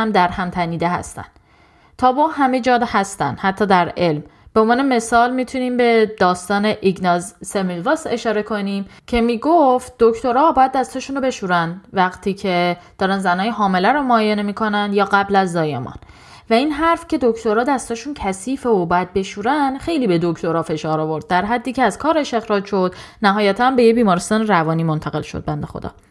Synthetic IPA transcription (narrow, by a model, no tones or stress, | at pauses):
æmd̪æɾhæmt̪ʰæniːd̪eɦæ̰st̪æ̰n | t̪ʰɒːbɒɦæme̞d͡ʒɒːd̪hæst̪æ̰nhæt̪ʰːɒːd̪æɾe̞lm | b̥eomvɑːne̞me̞sɒːlmit̪ʰuniːmbe̞d̪ɒːst̪ɒːne̞ʔiɡnɒzːemilvɒse̞ʃɒːɾe̞kʰo̞niːmcʰe̞miːɡoft̪̚d̪̥okt̪o̞ɾɒːbɒːjæd̪̚ːæst̪ɒːʃunobe̞ʃuːɾænd̪væɣt̪ʰiːcʰedd̥̪ɒːɾænzænɒːjeɦɒːme̞læɾomoːjenemiːkʰo̞nænd̪jɒːɣæblæzd̪ɒːjemɒ̰ːn | væiːnɦæɾfcʰe̞d̪okt̪ʰo̞ɾɒːd̪æst̪ɒːʃuːncʰæsiːfeobɒjæd̪̚be̞ʃuːɾænd̪xe̞jliːbe̞d̪okʰt̪ʰo̞ɾɒːfe̞ʃɒːɾɒːvo̞ɾd̪̥̚ːæɾɦæd̪ːiːcʰeæzkʰɒːɾe̞ʃe̞xɾɒːd͡ʒʃo̞d̪næɦɒːjæt̪ʰænbe̞jebiːmɒːɾest̪ɒːneɾævɒːniːmont̪ʰæɣe̞lʃo̰d̪̚bænd̪exo̰d̪ɒ̰ː